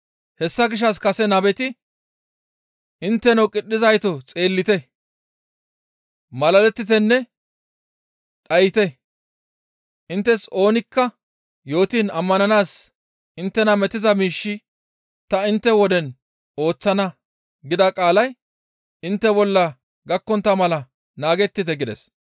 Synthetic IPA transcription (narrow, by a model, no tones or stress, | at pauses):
hɛsːɐɡɪʃ̬ɐskɐsɛnɐbɛt̪ɪ | ʔɪnt̪ːɛnɐwkʼɪɗːɪzɐjt̪ɔt͡sʼe̞ːlːɪt̪ɛ | mɐlɐlɛt̪ːɪt̪̬ɛnːɛ | ɗɐjɪt̪ɛ | ʔɪnt̪ːɛso̞ːnɪkːɐ | jo̞ːt̪iːnɐmːɐnɐnaːs | ʔɪnt̪ːɛnɐmɛt̪ɪzɐmiːʃːɪ | t̪ɐɪnt̪ːɛwɔd̪ɛn | o̞ːt͡sːɐnɐ | ɡɪd̪ɐkʼaːlɐj | ɪnt̪ːɛbɔlːɐ | ɡɐkːɔnt̪ːɐmɐlɐ | naːɡɛt̪ːɪt̪ɛɡɪd̪ɛs